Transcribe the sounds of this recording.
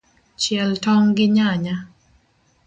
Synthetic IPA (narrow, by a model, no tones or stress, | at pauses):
t͡ʃjɛltɔŋɡɪɲaɲa